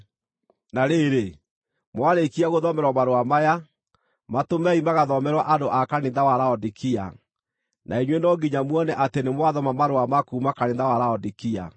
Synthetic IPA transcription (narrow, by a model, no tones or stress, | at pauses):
naɾeɾe | mwaɾekiaɣoðɔmɛɾwamaɾoamaja | matomɛimaɣaðɔmɛɾwaʔandoʔakaneːnðawaɾaɔdikʰia̰ | nʔa̰eɲwenɔɡiɲamwɔnɛʔatenemwaðɔmamaɾoamakuːmakaneːnðawaɾaɔdikia̰